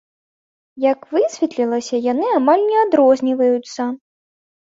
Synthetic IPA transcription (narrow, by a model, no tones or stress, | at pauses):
jɐkvɨsʲvʲɛt̪lʲilˠɐsʲɐjanɨamalʲnʲɛad̪ɾɔzʲnʲivɐjut̪sːɐ